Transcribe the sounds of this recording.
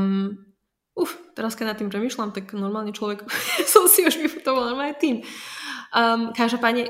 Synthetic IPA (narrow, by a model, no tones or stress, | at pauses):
uft̪ɛɾaskɛnat̪ːimpɾɛmiːʃlamt̪aknɔɾmaːlɲɛt͡ʃlɔʋɛksɔmsiuʒʋifu̥t̪ɔʋalnɔɾmaːɛt̪iːm | əkaʒd̪ɔpaːd̪ɲɛ